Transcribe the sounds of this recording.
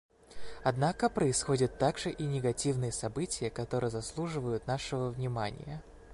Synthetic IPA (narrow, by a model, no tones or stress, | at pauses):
ɐd̪nakəpɾəɪsxo̞dʲɪt̪ːaɡʐɨʔinʲɪɡɐtʲivnɨjəsɐbɨtʲɪjəkɐt̪o̞ɾɨjəzɐslˠuʐɨvəjʊt̪naʂɨvəvnʲɪmanʲɪ̰jə